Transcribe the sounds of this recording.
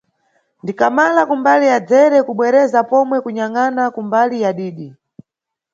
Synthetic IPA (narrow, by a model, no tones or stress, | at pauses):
ndikamalakumbalijad͡zɛɾɛkuɓwɛɾɛzapɔmwɛkuɲaŋanakumbalijaɗiːɗi